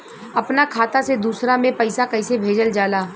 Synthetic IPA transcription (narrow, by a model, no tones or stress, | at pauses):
ɐpnakʰaːt̪ased̪uːsɾamẽpɐɪsakɐɪsebʱeːd͡ʒəld͡ʒaːlaː